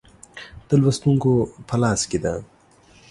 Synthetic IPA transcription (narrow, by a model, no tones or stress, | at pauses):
t̪ɐlwɐst̪uŋkopʰɐlaːskid̪a